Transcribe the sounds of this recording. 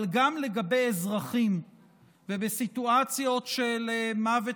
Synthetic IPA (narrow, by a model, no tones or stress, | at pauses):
lɡamle̞ɡabejezʁaχim | vebesituat͡sjo̞tʃelemave